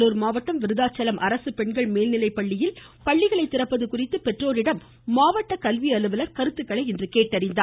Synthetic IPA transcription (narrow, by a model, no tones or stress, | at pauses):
luːɾmaːʋɐʈːɐmʋɪɾɯðaːt͡ʃːɐlɐmʔɐɾɐsɯpɛɳɡɐɭmeːlnɪlɐɪpːɐɭːɪjɪl | pɐɭːɪɣɐɭɐɪt̪ːɪrɐpːɐðɯkʊrɪt̪ːɯpɛʈroːɾɪɽɐmː | aːʋɐʈːɐkɐlʋiɐlɯʋɐlɐɾkɐɾɯt̪ːɯkːɐɭɐɪɛndrɯkeːʈːɐɾɪnd̪aː